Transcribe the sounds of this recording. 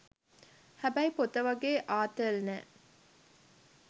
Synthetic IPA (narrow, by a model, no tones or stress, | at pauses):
hæbæipot̪əʋɐɡeːʔaːt̪əlnɛː